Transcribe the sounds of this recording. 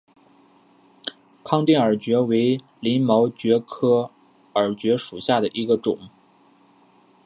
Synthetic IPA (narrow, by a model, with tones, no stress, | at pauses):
kʰɑ˥˧ŋt̪i˥˩ŋə˞˨˩t͡ɕɥɛ˧˥we˧˥ɪ | li˧˥nmo˧˥ʊt͡ɕɥɛ˧˥kʰɤ˥ | ə˞˨˩t͡ɕɥɛ˧˥ʂu˨˩ɕja˥˩d̪ə˩ʔi˧˥ɡə˧ʈ͡ʂʊ˨˩˦ŋ